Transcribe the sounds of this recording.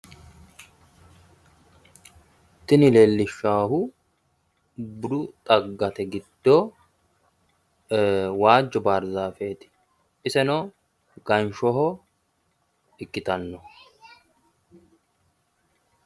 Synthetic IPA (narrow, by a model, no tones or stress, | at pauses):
t̪ːɪnɪleːlːɪʃːaːhʊ | bʊɾʊt̪ʼɐɡːɐt̪ɛɡɪd̪̥ːoː | waːd͡ʒːɔbaːɾzaːfeːt̪ɪ̥ | ʔɪsɛnɔ | ɡ̥ɐnʃɔɦɔ | ɪkʼːɪt̪ɐnːɔ